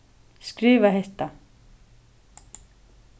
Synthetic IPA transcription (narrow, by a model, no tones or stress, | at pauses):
skɾiːvaɦejht̪a